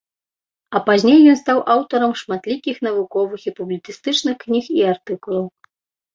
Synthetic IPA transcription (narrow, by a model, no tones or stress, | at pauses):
ɐpazʲnʲejːɔnst̪awʔawt̪ɐɾɐmʂmat̪lʲikʲixnɐvukɔvɨxipublʲit͡s̪ist̪ɨt͡ʂnɨxknʲixiart̪ɨkulˠɐw